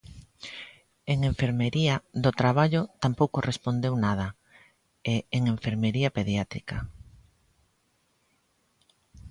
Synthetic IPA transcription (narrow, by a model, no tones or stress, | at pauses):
eŋeɱfeɾmeɾiɐðot̪ɾaβaʎot̪ampowkorespond̪ewnað̞ɐ | eeŋeɱfeɾmeɾiɐpeðjat̪ɾikɐ